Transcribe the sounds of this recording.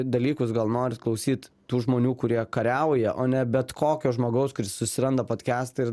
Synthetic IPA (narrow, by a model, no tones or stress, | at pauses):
d̪ɐlʲiːkʊsɡɐlˠnoːɾʲɪt̪klˠɐʊsʲiːt̪ | t̪uːʒmoːnʲuːkʊɾʲiɛkɐɾʲɛʊjɛʔoːnʲɛbʲɛt̪kʰoːkʲoːʒmoːɡɐʊskʊɾʲɪssʊsʲɪɾɐnd̪ɐpoːt̪ʲkʲæːst̪ɐɪ